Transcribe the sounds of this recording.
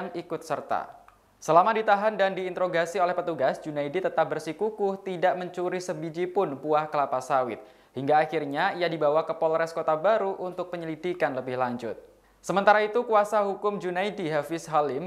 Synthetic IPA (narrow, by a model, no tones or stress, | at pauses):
ŋikʊt̪̚sərt̪a̰ | səlamadit̪aɦandandiːnt̪ɾoɡasiolɛhpət̪uɡasd͡ʒunaidit̪ət̪ap̚bərsikukʊht̪idaʔməɲt͡ʃuɾisəbid͡ʒipʊnpuahkəlapasawɪ̰t̪̚ | hiŋɡaːxirɲaiadibawakəpolɾɛskot̪abaɾuʔunt̪ʊk̚pəɲəlidikanləbɪhlaɲd͡ʒʊ̰t̪̚ | səmənt̪aɾait̪ukuasaɦukʊmd͡ʒunaidiɦafɪsɦalɪm